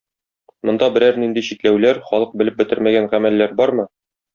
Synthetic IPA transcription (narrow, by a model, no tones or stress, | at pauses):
mŏnd̪ɑbɘ̆ɾæɾnind̪iɕit̪læwlæɾχɒlˠɤq̚bɘ̆lɘp̚bɘ̆t̪ɘ̆ɾmæɡænʁæmælːæɾbɒɾmɤ